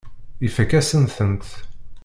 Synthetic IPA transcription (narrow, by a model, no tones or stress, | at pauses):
ifəkːæsənθənt̪